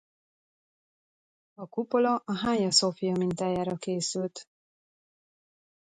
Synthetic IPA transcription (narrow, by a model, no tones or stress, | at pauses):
ɒkupo̞lɒʔɒɦaːɲɒsofijɒmint̪aːjaːɾɒkeːsylt̪